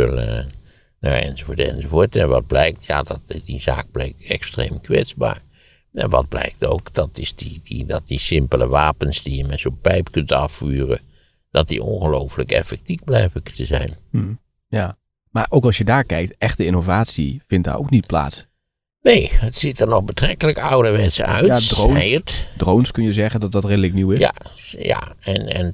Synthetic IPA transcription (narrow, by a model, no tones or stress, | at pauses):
lə | na̰ɹɛ̰nzovoːətɛ̰nzovoːɹtɛnʋɑ̰d̚blɛjk̚tjaːdɑtdiza̰ːk̚b̥lɛjk̚tɛkstrḛmkʋɛtzba̰ːɹ | ɛ̰nʋɑ̰d̚blɛ̰jk̚to̰wkd̥ɑtɪsdididɑt̚disɪmpələʋaːpənsdijəmɛtz̥opɛjpkɵntɑfyːrə̰ | d̥ɑt̚dḭʔonɣəlowfələkɛ̰fɛk̚tivblɛjvəktəzɛ̰jn̩ | ja | maʔowkɑlˠsjədaːɹkɛjk̚tɛχtəɪnovaːtsifɪntda̰ro̰wknit̚pla̰ːts | nejhətsitəɹnɔxbətrɛkələkɑwdəʋɛtsə̰œ̰ɥjadrontdrownskɵnjəzɛχəndɔt̚dɔtredəlɪkniwɪsja̰ | ja̰ɛnɛ̰n